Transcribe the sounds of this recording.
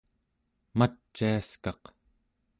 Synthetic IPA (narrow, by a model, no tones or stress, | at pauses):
mat͡ʃːiaskɑq